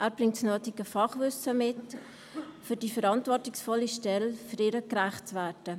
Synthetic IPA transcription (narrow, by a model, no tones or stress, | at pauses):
ʔæːɾb̥rɪŋtsnøːtɪɡəfɑχvʏsəmɪt | fydifəɾɑntvɔtɪksfɔlːiʃtɛlføɾiːɾəkræχtt͡svɛːtə